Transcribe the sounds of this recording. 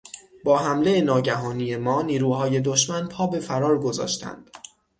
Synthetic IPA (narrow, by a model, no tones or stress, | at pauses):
bɒːɦæmle̞enɒːɟæɦɒːnije̞mɒːniːɾuːɦɒːje̞d̪oʃmænpʰɒːbe̞fæɾɒːɾɡo̞zɒ̰ːʃt̪ʰæ̰nd̪̥